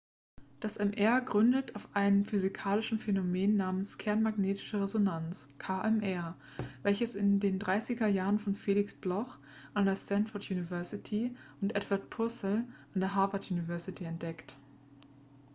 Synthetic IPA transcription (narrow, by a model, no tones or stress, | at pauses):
d̥asɛmʔɛɐɡʁʏndətʰaʊfʔaɪnəmfyzikʰaːlɪʃn̩fenomeːnːaːmənskʰɛɐnmaɡneːtʰɪ̥ʃəʁezonant͡skʰaʔɛmʔɛɐ | vɛlçəsɪndeːndʁaɪsɪɡɐjaːʁənfɔnfeːlɪksb̥lɔχ | ʔandeːɐstɛnfɔɐtʰjuːnivɛɐsɪtʰiʊntʔɛtv̥aɐt̚pʰʊɐsl̩ʔandeːɐɦaɐvɐtjuːnivɛɐsɪtʰiɛnt̚d̥ɛkt